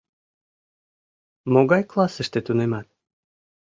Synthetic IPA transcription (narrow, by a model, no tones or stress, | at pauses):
moɣɑjklˠɑsə̆ʃt̪et̪unemɑt̪̚